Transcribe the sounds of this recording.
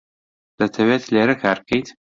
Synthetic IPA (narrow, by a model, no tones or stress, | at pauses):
d̪̥ɐt̪ʰɐweːt̪ʰleːɾɐkʰaːɾ̚kʰɐjt̪